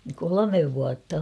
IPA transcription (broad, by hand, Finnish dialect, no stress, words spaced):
kolomeʋ ʋuɑtːɑ